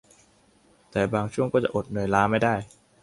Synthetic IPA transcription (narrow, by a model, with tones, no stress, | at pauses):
t̪ɛː˨˩baː˧ŋt͡ɕʰu˥˩əŋkɔː˥˩t͡ɕa̰˨˩ʔo˨˩t̪̚nɯː˨˩əjlaː˦˥ma˥˩jdaː˥˩j